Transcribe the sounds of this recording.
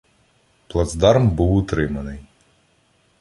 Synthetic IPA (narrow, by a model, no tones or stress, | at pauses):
plˠɐd̪zd̪ɑrmbuwʊt̪ɾɪmɐnɪj